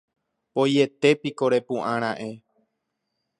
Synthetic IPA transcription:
poje̞t̪e̞piko̞ɾe̞pũʔãɾ̃ãʔe̞

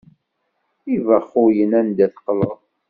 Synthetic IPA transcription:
ivəχːʊjənænd̪æθqləðˤ

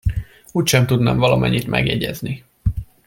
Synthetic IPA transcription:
uːcʃɛmt̪ud̪nɒmvɒlɒmʔɛɲːit̪mɛ̰ɡjɛɟɛzni

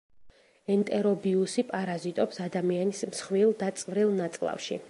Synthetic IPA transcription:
ɛnt̪ʼɛɾɔbiusipʼaɾazit̪ʼɔpsad̪amianismsχvilˠd̪at̪sʼvɾilˠnat̪sʼlˠa̰fʃḭ

